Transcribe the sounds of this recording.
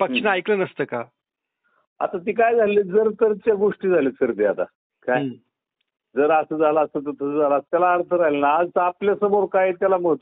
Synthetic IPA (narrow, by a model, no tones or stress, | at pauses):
pəkʂnaajklənəst̪əːka | a̰t̪at̪̬iːkajd͡zʱaled͡zəɾt̪əɾt͡ɕaɡoʂʈiːd͡zʱalesəɾt̪iat̪a̰ | kaj | d͡zəɾasəd͡zʱalaasət̪̬əɾt̪ʰəsəd͡zʱalast̪jalaːɾt̪ʰəɾaɦlenaːd͡zapljasəmoɾkajet̪jalaməɦət̪